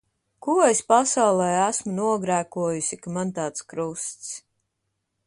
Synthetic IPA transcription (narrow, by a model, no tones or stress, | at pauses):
kuespasawlˠɛjæsmunuɔɡɾæːkuɔjusʲikamant̪aːt̪skɾust̪s